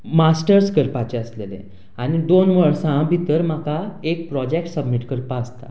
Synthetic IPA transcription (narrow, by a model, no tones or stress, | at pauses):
masʈəɾskəɾpat͡ɕeəslelḛ | aɽ̃id̪onʋəɭsãbʱit̪əɾm̤akaek̚pɾɔd͡ʑek̚ʈsəbmiʈkəɾpaəst̪a̰